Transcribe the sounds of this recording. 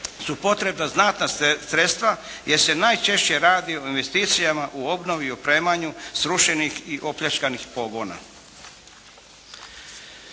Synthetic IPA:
supo̞t̪ɾe̞bnaznat̪nasɾet̪st̪ʋajese̞najt͡ʃe̞ʃt͡ɕe̞ɾaːd̪io̞inʋe̞st̪iːt̪sijamaʔuo̞bno̞ʋiopɾe̞ːmaɲusɾuʃe̞nixiʔo̞pʎʲat͡ʃkanixpo̞ɡo̞ːna̰

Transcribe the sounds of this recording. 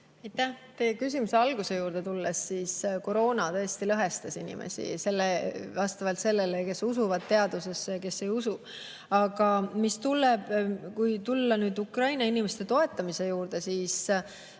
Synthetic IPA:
ɑjt̪ːæht̪ekys̬ʲimuse̞ɑlɡ̥use̞juːɾd̪e̞t̪ulːesːiːsko̞ɾo̞ːnɑt̪ɤ̞est̪ilɤɦe̞st̪ɑsinḭmḛsḭse̞lːevɑst̪ɑvɑlt̪se̞lːeleke̞susuvɑd̪̥̚t̪e̞ɑd̪̥use̞sːke̞sːe̞jusu | ɑɡ̥ɑmist̪ulːeb̥kujt̪ulːɑnyːd̪ukrɑjnɑinimest̪e̞t̪o̞et̪ːˑɑmise̞juːɾd̪̥e̞siːs

